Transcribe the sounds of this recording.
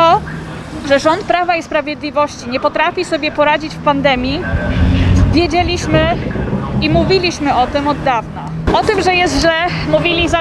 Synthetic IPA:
t̪ɔ | ʐɛʐɔnt̪̚pɾavaispɾavʲjɛd̪lʲivɔɕt͡ɕiɲɛpɔt̪ɾafʲisɔbʲjɛpɔɾad͡ʑit͡ɕfpand̪ɛmʲji | vʲjɛd͡ʑelʲiɕmɘ | imuvʲilʲiɕmɘɔt̪ɘmɔd̪ːavna | ɔt̪ɘmʐɛjɛst̪ʑlɛmuvʲilʲiza

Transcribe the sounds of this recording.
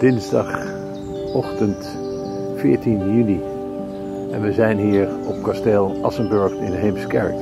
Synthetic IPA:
d̥ɪnzdɑχ | ɔχtənt | fɪːɹtinjyni | ɛ̰nʋəzɛjnɦiːɹ | ɔp̚kɑstɛlˠʔɑsənbɵɹχɪnɦejmskɛ̰ɹk

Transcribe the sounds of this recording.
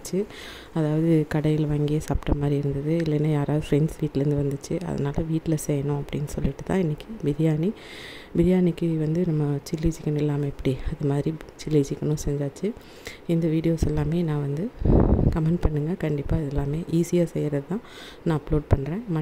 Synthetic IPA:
t͡ʃːɯ | ɐðaːʋɐðɯkɐɽɐjɪlʋaːŋɡɪjesaːpʈːɐmaːðɾiɪɾɯnd̪ɐðɯɪlːɛnːajaːɾaːðɯfɾɛnsʋiːʈːɪlɐɾɯnd̪ɯʋɐnd̪ɯt͡ʃːɯʔɐ̰ðɐ̰naːlɐʋiːʈːɪlɐsɛjɐɳʊ̃ɐpːɐɽɪnːɯsɔ̰lːɪʈːɯt̪ːã̰ːɪnːɪkːɯbɪɾɪjaːni | bɪɾɪjaːnɪkːɯʋɐnd̪ɯnɐmːɐt͡ʃɪlːiːd͡ʒɪkːɐɳʊ̃ɪlːaːmɐɛpːɐɽiɐðɯmaːðɪɾit͡ʃɪlːiːt͡ʃɪkːɐɳʊ̃sɛɲd͡ʒaːt͡ʃːɯ | ɪnd̪ɐʋiːɽɪjoːsɛlːaːmeːnãːʋɐnd̪ɯkɐmɛɳɖpɐɳːɯŋɡɐkɐɳɖɪpːaːɪðɛlːaːmeːʔiːsɪjaːsɛjːɪɾɐðt̪ãː | nãːɐploːɖ̚pɐɳːɾẽːmɐ

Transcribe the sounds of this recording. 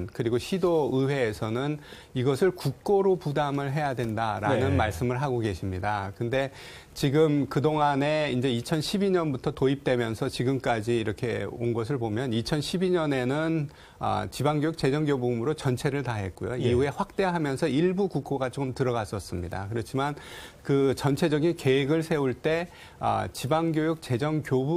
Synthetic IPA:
nkɯɾiɡoɕʰidoɯwe̞ːsʰʌnɯn | iɡʌsʰɯɭkuk͈̚oɾopudamɯɭɦe̞jadwe̞ndaɾanɯnmaɭs͈ɯmɯɭɦaɡoɡe̞ɕʰimɲidakɯnde̞ | t͡ɕiɡɯmkɯdoŋane̞ind͡ʑe̞it͡ɕʰʌnɕʰibiɲʌnbutʰʌtoip̚t͈we̞mjʌnsʰʌt͡ɕiɡɯmk͈ad͡ʑiːɾʌkʰe̞o̰nɡʌs̬ʰɯɭpomjʌnit͡ɕʰʌnɕʰibiɲʌne̞nɯn | ʌ̰t͡ɕibaŋɡjojuk̚t͡ɕe̞d͡ʑʌŋɡjobumɯɾot͡ɕʌnt͡ɕʰe̞ɾɯɭtaɦe̞t̚k͈ojo̰iue̞ɸwak̚t͈e̞ɦamjʌnsʰʌiɭbukukʰoɡat͡ɕomtɯɾʌɣas͈ʌs͈ɯmɲida̰kɯɾʌt͡ɕʰimankɯt͡ɕʌnt͡ɕʰe̞d͡ʑʌɡinke̞eɡɯɭsʰe̞uɭt͈e̞ | ʌ̰t͡ɕibaŋɡjojuk̚t͡ɕ͈e̞d͡ʑʌŋkjobu

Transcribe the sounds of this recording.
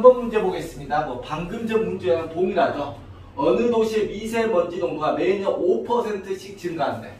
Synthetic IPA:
mbʌnmund͡ʑe̞boɡe̞s͈ɯmɲidamwʌpaŋɡɯmd͡ʑʌŋmund͡ʑeenɯntoŋiɾad͡ʑo | ʌnɯdoɕʰiemisʰe̞mʌnd͡ʑidoŋbuɡame̞ɲʌnopʰʌsʰe̞ntʰɯɕʰik̚t͡ɕɯŋɡaɦannde̞

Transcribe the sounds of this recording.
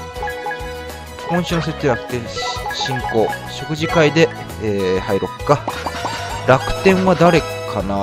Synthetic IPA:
kõ̞ɕɨːnose̞t̪ːeɾakɯ̟̥t̪ːẽ̞ɰ̃ɕĩŋko̞ːɕo̞kɯ̟ʑikaid̪e̞ː | haiɾo̞kkːa | ɾakɯ̟̥t̪ẽ̞ɰ̃βad̪aɾe̞kʰana

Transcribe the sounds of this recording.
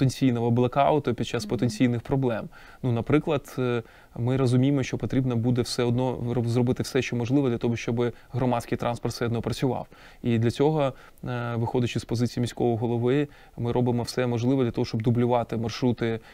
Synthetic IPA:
t̪enʲt͡sʲijnɔɦɔblˠɐkɑʊt̪ɔpʲid̪̚t͡ʃɑspɔt̪enʲt͡sʲijnɪxpɾɔblˠɛm | nunɐpɾɪklˠɐd̪ | mɪɾɔzʊmʲijemɔʃt͡ʃɔpɔt̪ɾʲibnɐbud̪ɛwsɛɔd̪nɔɔzrɔbɪt̪ɪwsɛʃt͡ʃɔmɔʒlˠɪʋɐd̪lʲɐt̪ɔɦɔʃt͡ʃɔbɪ | ɦɾɔmɑtʲsʲkɪjt̪ɾʔɑnspɔrt̪sɛɔd̪nɔpɾɐt͡sʲʊʋɑ̰w | id̪lʲɐt͡sʲɔɦɔ | ʋɪxɔdʲɐt͡ʃɪspɔzɪt͡sʲijimʲisʲkɔʋɔɦɔlˠɔʋɪ | mɪɾɔbɪmɔwsɛmɔʒlˠɪʋɔd̪lʲɐt̪ɔɦɔʃt͡ʃɔb̚d̪ʊblʲʊʋɑt̪ɪmɐrʃɾut̪ɪ

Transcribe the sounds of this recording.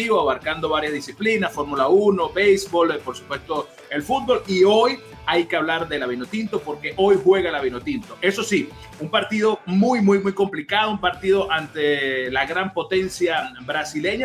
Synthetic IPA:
iβoaβaɾkand̪o̞βaɾjazðisiplinasfo̞ɾmulauno̞bejsbo̞lpo̞ɾsu̥pwe̞st̪o̞ | e̞lfut̪̚bo̞lio̞j | ajkeaβlaɾðe̞laβino̞t̪int̪o̞po̞ɾke̞ʔo̞jhwe̞ɣalaβinot̪int̪o̞ʔe̞so̞si | umpaɾt̪ið̞o̞mujmujmujko̞mplikaðoumpaɾt̪iðo̞ʔant̪e̞laɣɾampo̞t̪e̞nsjabɾasile̞ɲa

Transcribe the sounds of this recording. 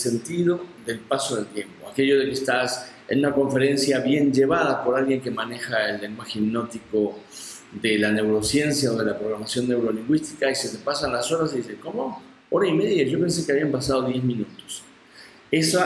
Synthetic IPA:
se̞nt̪ið̞o̞ðe̞lpaso̞ð̞e̞lt̪je̞mpo̞ake̞ʝo̞ðe̞keːst̪as | ḛnunako̞ɱfe̞ɾe̞nsjaβje̞nd͡ʒe̞βað̞apo̞ɾalɣje̞ŋke̞mane̞xaelːeŋwaxemno̞t̪iko̞ | ðelane̞wɾo̞sje̞nsjaoð̞e̞lapɾo̞ɣɾamasjo̞nːe̞wɾo̞liŋɡwist̪ikaise̞t̪e̞pasanlaso̞ɾas̬iðiseŋko̞mo | oɾaime̞ðjaʒo̞pe̞ns̬ekeaβiampasað̞o̞ðje̞zmĩnut̪o̥s | e̞sa

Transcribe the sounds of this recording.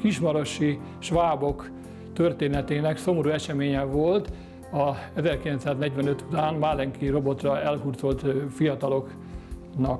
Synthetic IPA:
kiʃmɒɾo̞ʃi | ʃʋaːbo̞k | t̪ørt̪eːnɛt̪eːnɛkso̞moɾuːɛʃɛmeːɲɛvolt̪ | ɒɛzɛrkilɛnt̪saːznɛɟʋɛnøt̪ut̪aːnmalɛŋkiro̞bo̞t̪rɒɛlɦurzo̞lt̪fijɒt̪ɒlo̞k | nɒk

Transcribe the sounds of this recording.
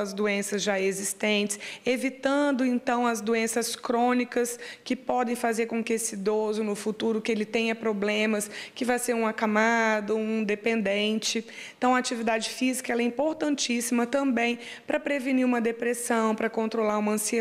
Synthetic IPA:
ɐzd̪oẽsɐzʒaezist̪ẽnt͡ʃɪ̥sevit̪ɐ̃nd̪ʊẽnt̪ɐ̃w̃ɐzd̪oẽsɐskɾõnikɐskɪpɔd̪ẽj̃fazeɾkõkɪesɪd̪ozʊnʊfut̪uɾʊkɪelɪt̪ẽɲɐpɾoblẽmɐskɪvajseɾũakamad̪ɐũĩd̪epẽnd̪ẽnt͡ʃɪ̃ | t̪ɐ̃w̃ɐat͡ʃivid̪ad͡ʒɪfizikɐɛlɛĩmpoɾt̪ɐ̃nt͡ʃisimɐt̪ɐ̃mbẽj̃ | pɾɐpɾeviniɾũmɐd̪epɾesɐ̃w̃pɾɐkõnt̪ɾolaɾũmɐɐ̃sie

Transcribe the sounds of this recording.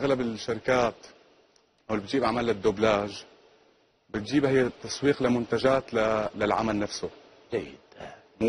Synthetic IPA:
ʔaɣlabɪlʃːaɾɪkaːt̪ | ʔawlbɪt̪ʒiːbʕamalːad̪ːʊblaːʒ | bɪt̪̚ʒiːbhɪjːt̪ːɑsˤwiːqlamʊnt̪aʒaːt̪lalalʕa̰malnafsʊ | d͡ʒajɪd̪ | mu

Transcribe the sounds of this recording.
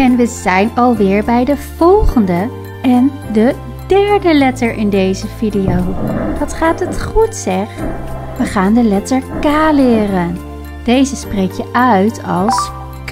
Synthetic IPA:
ɛnʋəzɛjnɑlˠʋɪːɹbɛjdəv̥ɔlˠχəndə | ɛn | də | dɛɹdəlɛtəɹʔɪndejzəvidijowʋɑtχaːtɦətχutsɛχ | ʋəχaːndəlɛtəɹkaːlɪːrən | d̥ejzəsprejkjəʔœɥtʰɑlˠs | k

